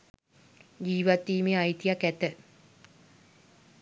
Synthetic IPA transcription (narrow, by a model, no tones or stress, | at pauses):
d͡ʒiːʋat̪ːiːmeajt̪ijakæt̪ə